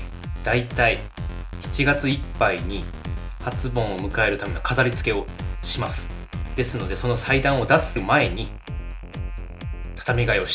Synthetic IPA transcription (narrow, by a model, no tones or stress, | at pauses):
d̪̥ait̪ai | çi̥t͡ɕiɡat͡sɨipːaiɲ̟i | hat͡sɨbõ̞ɰ̃o̞mɯ̟kae̞ɾɯ̟t̪ame̞no̞kazaɾʲit͡sɨ̥ke̞o̞ɕimasɨ̥ | d̪̥e̞sɨno̞d̪e̞so̞no̞said̪ãɰ̃o̞d̪asɨɯmae̞ɲ̟i | t̪ʰḁt̪amʲiɡaio̞ɕ